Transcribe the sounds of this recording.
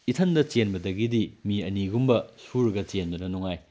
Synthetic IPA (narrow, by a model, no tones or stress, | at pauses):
itʰɐndɐt͡ʃenbɐdɐɡidimiɐniɡumbɐsuɾɐɡɐt͡ʃendɐnɐnuŋaj